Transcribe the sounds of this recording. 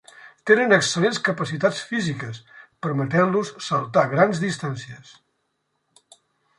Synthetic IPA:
t̪enənəksəlenskəpəsit̪at͡sfizikəspəɾmət̪ɛnlusːəlˠt̪aɣɾanzðist̪ansiəs

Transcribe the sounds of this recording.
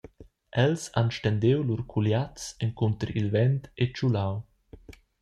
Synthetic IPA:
ʔɛlsa̰nʃt̪ɛnd̪ewlurkʰuljat͡sɛŋkunt̪əɾḭlvɛnt̪et͡ʃulaw

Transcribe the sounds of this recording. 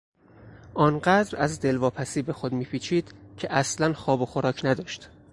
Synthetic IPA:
ʔɒːnɢæd̪ɾæzd̪e̞lvɒːpʰæsiːbe̞xod̪miːpʰiːt͡ʃʰiːd̪̥cʲʰe̞ʔæslænxɒːbo̞xoɾɒːcʰnæd̪ɒːʃt̪

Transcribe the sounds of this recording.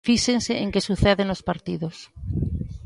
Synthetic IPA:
fiʃeŋseʔeŋkesuθeðenospaɾt̪iðos

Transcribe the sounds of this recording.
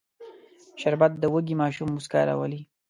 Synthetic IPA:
ʃaɾbat̪̚d̪əwəɡimɑːʃumːuska̰ːɾa̰wəli

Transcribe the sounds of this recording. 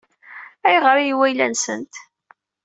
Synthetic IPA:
æjʁəɾijiwæjlænsənt̪

